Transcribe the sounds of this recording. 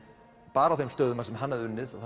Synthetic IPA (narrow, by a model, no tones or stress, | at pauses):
paːɾawθejmst̪œɥðʏmasɛmɦanːɛðʏnːɪða